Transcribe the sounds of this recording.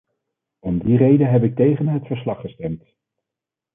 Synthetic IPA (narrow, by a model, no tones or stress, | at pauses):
ɔmdirejdənɦɛp̬ɪk̚tejχənɦətfəɹslɑχːəstɛmt